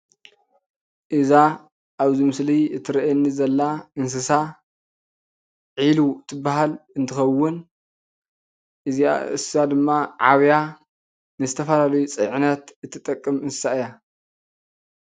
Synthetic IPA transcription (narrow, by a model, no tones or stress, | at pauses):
ʔɨza | ʔaβzimɨsliɨt̪ʰɨɾɐʔɛnːizɐlːaɨns̬ɨsa | ʕilut̪ʰɨbːaɦalɨnt̪ʰɨxɐwːʊn | ʔɨzia̰ɨ̰sɨsad̪ɨmːaʕaβja | nɨzɨt̪ʰɐfɐlalɐjut͡sʼɨ̰ʕɨnɐt̪ɨt̪ʰːɨt̪ʼɐkʼːɨmɨnsɨ̥saɨja